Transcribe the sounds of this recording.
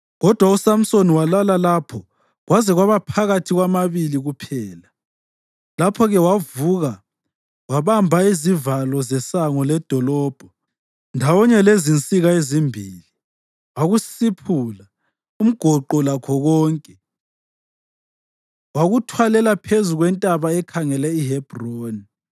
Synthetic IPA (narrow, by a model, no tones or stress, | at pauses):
ɣɔd̥ʱwausam̩soniwalalalapʰɔ | ɣwazɛɣwaβapʰaɣatʰiɣwamaβiliɣupʰɛːla | lapʰɔɣɛwavuɣa | waβambʱaizivalɔzɛsaŋɔlɛd̥ʱɔlɔːb̥ʱɔ | ndʱawɔɲɛlezint͡sʼiɣaezimbʱiːli | waɣusipʰula | um̩ɡ̥ʱɔǃɔlakʰɔɣɔːŋkʼɛ | waɣutʰwalɛlapʰezuɣwɛntʼaβaɛkʰaŋɛlɛiɦɛb̥ʱroːni